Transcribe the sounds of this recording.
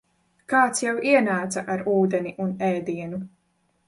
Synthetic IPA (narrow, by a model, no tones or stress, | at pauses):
kaːt̪sjawiɛnaːt̪saʔaɾuːd̪ɛniʔunɛːd̪iɛnu